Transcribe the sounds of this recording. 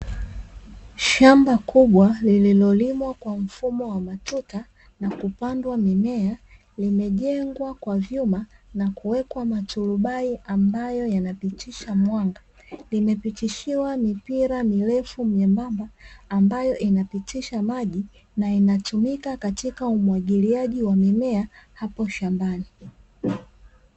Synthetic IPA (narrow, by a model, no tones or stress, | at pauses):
ʃambakʰuɓwalililɔlimwakwam̩fumɔwamatuta | nakupandwamimɛa | limɛʄɛŋɡwakwavjumanakuwɛkwamatuluɓaiʔambajɔjanapitiʃamwaŋɡa | limɛpitiʃiwamipiɾamilɛfumjɛmbambaːmbajɔʔinapitiʃamaʄi | nainatumikakatikaumwaɠiliaʄiwamimɛahapɔʃambani